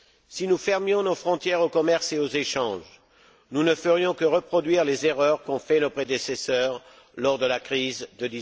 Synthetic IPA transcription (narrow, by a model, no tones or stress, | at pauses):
sinufɛʁmjɔ̃nofχɔ̃t̪jɛʁokɔmɛʁseozeʃɑ̃ʒ | nunəfəʁjɔ̃kəʁəpχɔd̪ɥiʁlezeʁœʁkɔ̃fɛnopχed̪esesœʁ | lɔʁd̪əlakχizd̪əd̪i